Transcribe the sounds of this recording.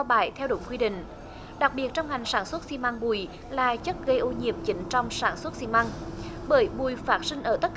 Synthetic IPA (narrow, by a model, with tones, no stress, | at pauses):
wɓaː˧˩jt̪ʰɛ˧wɗʊ̰˧˩˦ŋ͡mkwi˧ɗḭ̈˨ŋ̟ | ɗa˨˩k̚ɓi˨˩ət̚t͡ɕɔ˧wŋ͡mŋa˨˩jŋ̟saː˧˩nswə˦˥t̚si˧ma˧ŋɓu˨˩j | laː˨˩t͡ɕə˦˥t̚ɣə˧jʔo˧ɲḭ˨˩əp̚t͡ɕi˨˦ŋ̟t͡ɕɔ˧wŋ͡msaː˧˩nswə˦˥t̚si˧ma˧ŋɓəː˧˩jɓu˨˩jfaː˦˥t̚sï˧ŋ̟ʔəː˧˩t̪ə˦˥t̚k